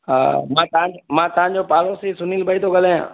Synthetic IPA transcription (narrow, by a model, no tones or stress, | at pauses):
a̰ːmãːt̪ãmãːt̪ɐʋãːd͡ʒoːpaːɾõsesʊniːlbʱaːit̪ʰoɡəlẽã̰ː